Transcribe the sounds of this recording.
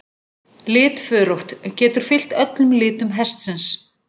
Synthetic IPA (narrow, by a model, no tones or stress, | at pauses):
lɪːt̪fʏːɾowht̪cɛːt̪ʏɾ̥fɪl̥t̪œt̪lʏmlɪːt̪ʏmɦɛst̪sɪns